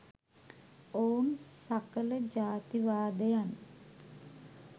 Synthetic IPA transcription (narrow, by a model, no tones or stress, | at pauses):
oːunsakələd͡ʒaːt̪iʋaːd̪əjan